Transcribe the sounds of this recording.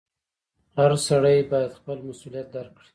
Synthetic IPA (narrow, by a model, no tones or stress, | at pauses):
haɾsaɽajbɑjad̪xpəlmasulijat̪̚d̪aɾkɽi̥